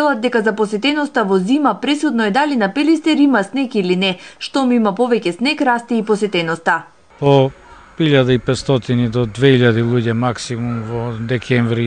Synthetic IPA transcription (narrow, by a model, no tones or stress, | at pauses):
ɛlˠad̪̚d̪ɛkazaposɛt̪ɛnɔst̪avɔzimapɾɛsud̪nɔɛd̪alinapɛlist̪ɛɾimasnɛkilinɛʃt̪ɔmimapovɛcɛsnɛkɾast̪iːpɔsɛt̪ɛnɔst̪a | po | iʎad̪aipɛt̪st̪ɔt̪inid̪ɔd̪vɛiʎad̪ilˠuɟɛmaksimumvɔd̪ɛkʰɛɱvɾi